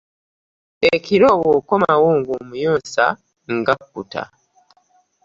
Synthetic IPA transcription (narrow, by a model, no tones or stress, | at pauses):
ekiɾo̞ːwoːko̞mawoːŋɡomujoːnsa̰ | ŋɡakːuta̰